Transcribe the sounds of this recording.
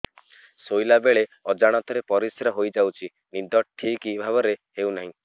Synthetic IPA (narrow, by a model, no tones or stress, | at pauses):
sojlabeɭeɔd͡ʒaɽ̃ɔt̪ɔɾepɔɾisɾɔɦojd͡ʒawt͡ʃʰi | nid̪ɔʈʰːikibʱaβɔɾehewnaɦĩ